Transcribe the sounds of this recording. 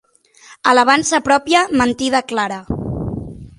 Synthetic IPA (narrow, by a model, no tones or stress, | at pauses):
ələβ̞ansəpɾɔpiəmənt̪ið̞əklaɾə